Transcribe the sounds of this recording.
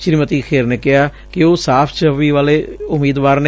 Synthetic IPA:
ʃɾiːmət̪iːkʰeːɾneːkɪɦaː | kɪoːsaːpʰt͡ʃəʋiːʋaːleːʊmiːd̪ʋaːɾne

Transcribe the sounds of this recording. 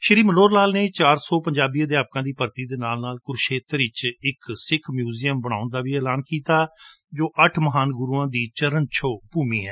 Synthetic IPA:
ʃəɾiːməloːɾlaːlneːt͡ʃaːɾsɔːpəɲd͡ʒaːbiːãːd̪eːaːp̚kãːd̪iːpəɾt̪iːd̪eːnaːlnaːlkʊɾʃeːt̪ɾɪt͡ʃɪksɪkʰmjuːzijəmbəɽ̃aːʊnd̪aːʋiːɛːlaːnkiːt̪aː | d͡ʒoːʔəʈʰməɦaːnɡʊɾuːãːd̪iːt͡ʃəɾənt͡ʃʰoːpuːmiːɦɛː

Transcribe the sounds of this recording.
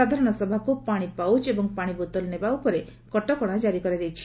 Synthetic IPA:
ad̪ʱaɾɔɽ̃ɔsɔbʱakupaɽ̃ipawt͡ʃebɔŋpaɽ̃ibot̪ɔlnebaupɔɾe | kɔʈɔkɔɽ̃ad͡ʒaɾikɔɾad͡ʒajt͡ʃʰi̥

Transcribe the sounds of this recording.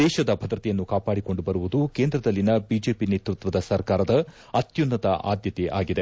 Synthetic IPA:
ɛːʃɐd̪ɐbʱɐd̪ɾɐt̪ɛjɐnːukaːpaːɽiko̞ɳɖubɐɾuʋud̪ukeːnd̪ɾɐd̪ɐlːinɐbiːd͡ʒe̞ːpineːt̪ɾut̪ʋɐd̪ɐsɐɾkaːɾɐd̪ɐ | ɐt̪junːɐt̪ɐʔa̰ːd̪jɐt̪ɛʔaːɡid̪e̞

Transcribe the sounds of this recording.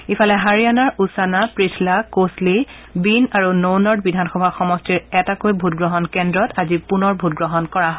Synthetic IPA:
ifʰalɛɦaɹijanaɹusanapɹislakosli | binaɹunownɔɹt̚bidʱanxɔbʱaxɔmɔstiɹɛtakojbʱut̚ɡɹɔɦɔnkɛndɹɔtazipunɔɹbʱutɡɹɔɦɔnkɔɹaɦ

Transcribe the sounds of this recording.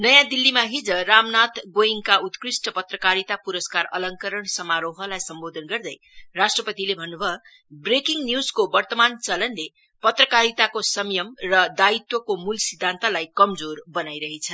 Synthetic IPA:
nʌjãd̪ilːimaɦid͡zʌramnat̪ɡojiŋkaut̪krisʈʌpʌt̪rʌkaɾit̪apuɾʌskarʌlʌŋkʌɾʌɳsʌmaɾoɦʌlajsʌmbod̪ʱʌnɡʌrd̪ʌj | rasʈrʌpʌt̪ilebʱʌnːubʱʌ | brekiŋnjuzkobʌrt̪ʌmant͡sʌlʌnle | pʌt̪rʌkaɾit̪akosʌmjʌmrʌd̪ait̪wʌkomulsid̪ʱːant̪alajkʌmd͡zorbʌnajɾʌɦet͡sʰʌ

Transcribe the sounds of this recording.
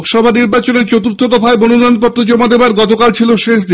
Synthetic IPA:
kʃɔbʱaniɾbat͡ɕoneɾt͡ɕot̪uɾt̪ʰːod̪ɔfʰaemononɔjnpɔt̪ːɾod͡ʑomad̪ebaɾɡɔt̪okalt͡ɕʰiloʃeʃ̬d̪i

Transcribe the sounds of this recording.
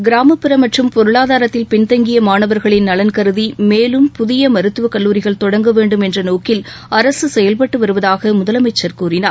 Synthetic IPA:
ɡɪɾaːmɐpːɪɾɐmɐʈrɯmpɔɾɯɭaːðaːɾɐt̪ːɪlpɪɳt̪ɐŋɡɪjɐmaːnɐʋɐɾɣɐɭɪnːɐlɐnkɐɾɯðimeːlɯmpʊðɪjɐmɐɾɯt̪ːɯʋɐkɐlːuːɾɪɣɐɭt̪ɔɽɐŋɡɐʋeːɳɖɯmɛndrɐnoːkɪl | ɐɾɐsɯsɛjɐlpɐʈːɯʋɐɾɯʋɐðaːɣɐmʊðɐlɐmɐɪt͡ʃːɐɾkuːɾɪnaːɾ

